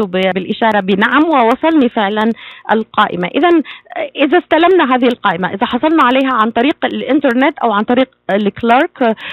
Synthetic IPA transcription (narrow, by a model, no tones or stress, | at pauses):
ʊbɪbɪlʔɪʃɑːɾˤɑbɪnaʕamwɪwɑsˤɑlnifɪʕlanʔa̰lqɑːʔɪmaʔɪðanʔɪðast̪alamnaɦaːðɪhɪlqɑːʔɪmaʔɪðaħɑsˤɑlnɑʕalajɦaʕant̪ˤɑɾiːqalʔɪnt̪ɑɾˤnɪt̪ːʔawʕant̪ˤɑɾiːqlɪklɑːɾk